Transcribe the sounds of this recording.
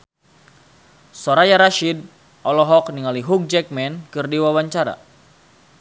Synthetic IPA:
soɾajaɾaʃid̚ | ʔɔlɔɦɔkniŋaliɦuk̚d͡ʒɛk̚mɛnkɨrdiwawaɲt͡ʃaɾa̰

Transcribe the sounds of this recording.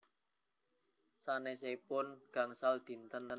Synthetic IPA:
sanesepʊnɡ̥a̤ŋsald̪̥i̤nt̪ənə

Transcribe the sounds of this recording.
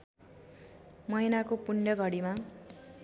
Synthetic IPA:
mʌjnakopuɳjʌɡʱʌɽima

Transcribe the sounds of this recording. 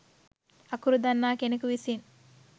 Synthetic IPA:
ɐkuɾud̪ɐnːaːkenikuʋisin

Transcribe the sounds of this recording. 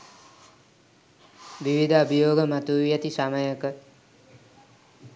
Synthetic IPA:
ʋiʋid̪ʱəabʱijoːɡəmat̪uʋijat̪isaməjəkə

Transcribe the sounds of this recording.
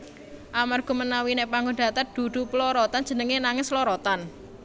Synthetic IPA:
ʔamarɡ̥ɔ̤mənawinepaŋɡɔnɖa̤t̪ard̪̥ṳɖ̪̥ṳplɔɾɔt̪an̥d͡ʒ̥ənəŋenaŋɪslɔɾɔt̪an

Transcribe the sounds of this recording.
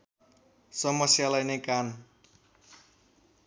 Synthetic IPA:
sʌmʌsjalʌjnʌjkan

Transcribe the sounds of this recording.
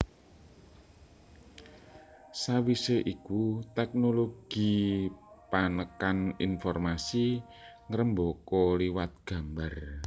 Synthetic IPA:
sawiseʔikut̪ɛk̚noloɡ̥i̤ | panəkanḭnfɔrmasi | ŋəɾəmbɔkɔliwat̪̚ɡ̥a̤mbar

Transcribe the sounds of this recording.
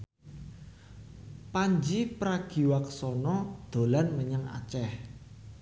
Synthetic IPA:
paɲd͡ʒipɾaɡ̥i̤waksɔnɔd̪̥o̤lanməɲəŋa̰t͡ʃɛh

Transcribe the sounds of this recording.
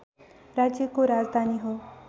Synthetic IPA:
ɾad͡ʑekoɾad͡zd̪ʱaniɦo

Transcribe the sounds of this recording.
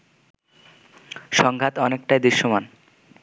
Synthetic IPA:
ʃɔŋɡʱat̪ɔnek̚ʈajd̪iʃːoman

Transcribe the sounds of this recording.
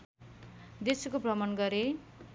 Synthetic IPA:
d̪eskoprʌmʌnɡʌɾe

